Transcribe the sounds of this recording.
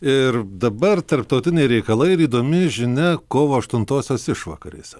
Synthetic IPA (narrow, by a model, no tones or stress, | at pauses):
ɪrd̪ɐbɐrt̪ɐɾp̚t̪ɒʊt̪ʲɪnʲɛɪɾʲɛɪkɐlˠɐɪɾiːd̪oːmʲɪʒʲɪnʲɛkoːʋoːɐʃt̪ʊnt̪oːsʲoːsɪʃʋɐ̰kɐ̰ɾʲḛsʲɛ